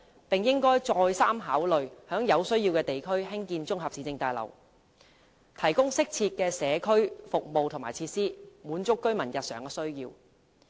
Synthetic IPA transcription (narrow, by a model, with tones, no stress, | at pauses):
pɪ˨ŋjɪ˥ŋkɔː˥jt͡ʃɔː˧jsaː˥mɦaː˨˥wlɵ˨ɥhœː˨˥ŋjɐ˨˧wsɵ˥ɥjiː˧wkɛː˧t̪e˨jkʰɵ˥ɥhɪ˥ŋkiː˧nt͡ʃʊ˥ŋɦɐ˨p̚siː˨t͡sɪ˧ŋt̪aː˨jlɐ̰˨˩w | t̪ʰɐ˨˩jkʊ˥ŋsɪ˥k̚t͡sʰiː˧t̚kɛː˧sɛː˨˧kʰɵ˥ɥfʊ˨k̚mo˨wt̪ʰʊ˨˩ŋmaː˨˩t͡sʰiː˧t̚siː˥muː˨˧˥nt͡ʃʊ˥kːɵ˥ɥmɐ˨˩njɐ˨t̚sœ̰ː˨˩ŋkɛ˧sɵ˥ɥjiː˧w